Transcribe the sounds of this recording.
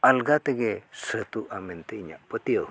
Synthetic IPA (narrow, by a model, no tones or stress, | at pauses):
alɡat̪eɡesət̪uʔament̪eiɲa̰ʔpət̪iəw